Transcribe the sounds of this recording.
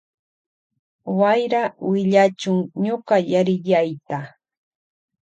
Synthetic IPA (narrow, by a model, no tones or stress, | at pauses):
wajɾawɪʎat͡ʃʊŋɲoɢɑjaɾɪʎajt̪a